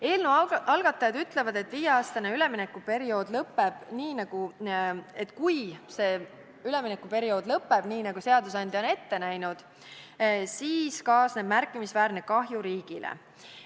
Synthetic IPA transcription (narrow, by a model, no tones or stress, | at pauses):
e̞ːlnuɑlɡ̥ɑt̪ːˑɑjɑd̪yt̪ˑle̞vɑd̪e̞t̪ːˑviːjeɑːst̪ɑneyle̞mine̞kːˑupe̞ɾio̞ːd̪̥lɤpːe̞b̥niːnɑɡ̥u | e̞t̪ːˑkujse̞ː | yle̞minekːˑupe̞ɾijo̞ːd̪̥lɤpːe̞b̥niːnɑɡ̥use̞ɑd̪us̬ɑnʲd̪jɑo̞ne̞t̪ːe̞næjnud̪̥ | siːskɑːsne̞b̥mærkːˑimisvæːɾne̞kɑɦjuɾiːɡ̥ilʔḛ